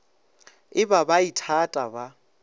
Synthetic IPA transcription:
ɪbabaitʰatʼaba

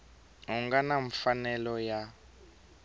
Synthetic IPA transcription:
ɦuŋɡanaɱfanɛlɔja

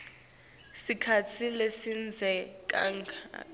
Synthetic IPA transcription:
sikʰat͡sʰilesind͡zʱɛkʼa̰ŋkʰa

